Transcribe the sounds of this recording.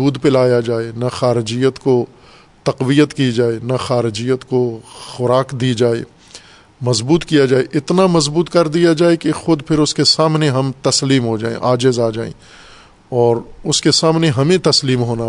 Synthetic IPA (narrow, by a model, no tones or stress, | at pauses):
uːd̪pɪlaːjad͡ʒaːenaxaːɾɪd͡ʒijət̪ko | t̪ɐqʋijət̪kid͡ʒaːenaxaːɾɪd͡ʒijət̪koxʊɾaːkd̪id͡ʒaːḛ | mɐzbuːt̪kijad͡ʒaːeʔɪt̪namɐzbuːt̪kɐɾd̪ijad͡ʒaːekixʊd̪pʰɪɾʊskesaːmneɦɐmt̪ɐsliːmɦod͡ʒa̰ːḛ̃ʔaːd͡ʒɪzaːd͡ʒaːḛ̃ | ɔːɾʊskesaːmneɦɐmẽt̪ɐsliːmɦoːna